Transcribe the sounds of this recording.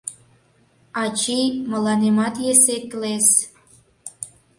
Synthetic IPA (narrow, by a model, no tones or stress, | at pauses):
ɑt͡ɕimə̆lɑnemɑt̪jesek̪les